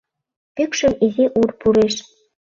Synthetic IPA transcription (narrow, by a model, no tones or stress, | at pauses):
pykʃɘ̆mizʲiʔurpuɾeʃ